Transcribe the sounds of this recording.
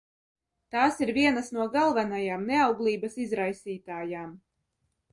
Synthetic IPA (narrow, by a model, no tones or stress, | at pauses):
t̪aːsiɾviɛnasnuɔɡalˠvanajaːmneawɡlˠiːbɐsizɾajsʲiːt̪aːjaːm